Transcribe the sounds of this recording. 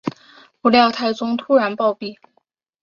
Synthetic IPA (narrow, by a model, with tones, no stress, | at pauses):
pu˧˥ljɑ˥˧ʊt̪ʰa˥˩ɪt͡sʊ˥ŋt̪ʰu˥ɻa˧˥npɑ˥˧ʊpi˥˩